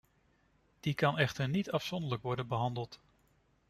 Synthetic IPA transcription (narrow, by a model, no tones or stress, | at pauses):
d̥ikɑnɛχtəɹnitɑfsɔndələkʋɔɹdənbəɦɑndəlˠt